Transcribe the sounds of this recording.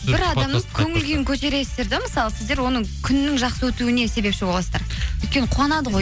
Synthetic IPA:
bɪɾɑd̪ɑməzkʲʰɵŋɪlɡʲe̞ŋkʲʰɵʒeɾe̞ɪ̥st̪e̞ɾd̪ɪməsɑlˠəsɪzd̪e̞ɾwo̞nəkʲʰʏnːɪŋʒɑqsəwɵt̪uɪne̞se̞be̞pʃɪbo̞lˠɑsəzd̪ɑɾɵjt̪kʲe̞nəqʰuɑnɑd̪əʁo̞j

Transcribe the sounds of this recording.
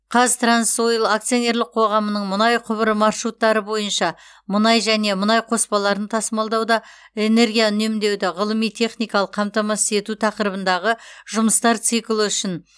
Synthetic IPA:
qʰɑzt̪ransojɪlˠakt̪sijo̞ne̞ɾlɪk̚qʰo̞ʁɑmənəɴmʊnɑjqʰʊβəɾəmɑrʃɾut̪ːɑɾəbo̞jənʃɑ | mʊnɑjʒæne̞mʊnɑjqʰo̞spɑlˠɑɾənt̪ʰɑsmɑlˠd̪ɑwd̪ɑ | e̞ne̞ɾɡʲijaʏne̞md̪e̞wd̪ɪʁəlˠəmijt̪ʰe̞χnijkɑlˠəqʰːɑmt̪ɑmɑsɪ̥t̪e̞t̪ut̪ʰɑqəɾəbənd̪ɑʁəʒʊməst̪ɑɾt̪sɨjklˠəʏʃɪn

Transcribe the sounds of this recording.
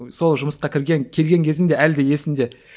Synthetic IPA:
so̞lˠʒʊməsqɑkʲʰɪɾɡʲe̞ŋkʲʰe̞lɡʲe̞ŋkʲʰe̞zɪnd̪e̞æld̪eje̞sɪmd̪e̞

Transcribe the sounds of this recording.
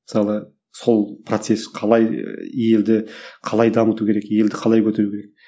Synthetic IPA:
mɪsɑlˠə | so̞lˠprot̪se̞sqʰɑlˠɑjje̞ld̪ɪqʰɑlˠɑjd̪ɑmət̪ukʲʰe̞ɾekije̞ld̪ɪqʰɑlˠɑjkʲʰɵt̪eɾukʲeɾek̚

